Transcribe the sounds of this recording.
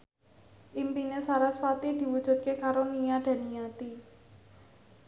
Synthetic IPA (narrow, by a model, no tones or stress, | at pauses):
ʔimpinesaɾasfat̪id̪̥i̤wud̥ʒ̥ṳt̪̚kekaɾonijad̪̥a̤nijat̪i